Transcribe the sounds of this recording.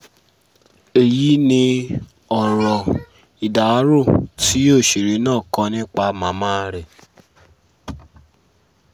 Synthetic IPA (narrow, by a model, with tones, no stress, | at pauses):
e˨ji˨˦nĩ˧ | ɔ˨ɾɔ˨ | i˨da˨˦ɾo˦˨ti˨˦o˦˨ʃi˨ɾi˨˦nãː˦˨kɔ̃˧˦nĩ˦k͡pa˧mã˨˦mã˦ɾɛ˨